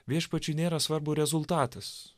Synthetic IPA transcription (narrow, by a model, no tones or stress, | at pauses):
ʋʲiɛʃpɐt͡ʃʲʊnʲeːɾɐsʋɐɾbʊɾʲɛzʊlˠt̪ɑːt̪ɐs